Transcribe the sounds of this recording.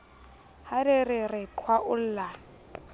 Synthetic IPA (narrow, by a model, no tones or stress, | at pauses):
hadɪrɪrɪkʰwaʔʊl̩ːla